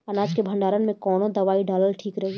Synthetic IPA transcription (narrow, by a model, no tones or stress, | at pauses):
ɐnaːd͡ʒkebʱɐ̃ɳɖaːɾənmẽkɔːnõd̪ɐʋaːiɖaːləlʈʰiːkɾɐɦi